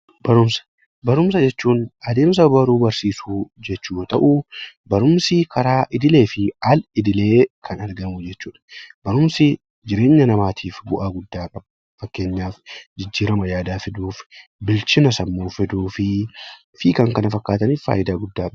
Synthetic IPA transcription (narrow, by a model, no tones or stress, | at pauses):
b̥ɐɾʊmsɐ̥ | bɐɾʊms̬ɐd͡ʒɛt͡ʃːuːnɐd̪e̞ːms̬ɐbɐɾuːbɐɾsiːsuːd͡ʒɛt͡ʃːuːt̪ɐʔubɐɾʊmsɪkʰɐɾaːʔɪd̪ɪle̞ːfɪɐlɪd̪ɪle̞ːkʰɐnɐɾɡɐmʊd͡ʒɛt͡ʃːuːᶑɐ̥b̥ɐɾʊmsɪ | d͡ʒɪɾe̞ːɲːɐnɐmaːt̪ʰiːfbʊʔaːɡʊd̪ːaːkʼɐbɐ | fɐkːe̞ːɲːaːfd͡ʒɪd͡ʒːiːɾɐmɐjaːd̪aːfɪd̪uːfbɪlt͡ʃɪnɐsɐmːoːfɪd̪uːfɪ | fiːkɐŋkɐnɐfɐkːaːt̪ɐniffa̰ːjʔɪd̪aːɡʊd̪ːaːkʼɐb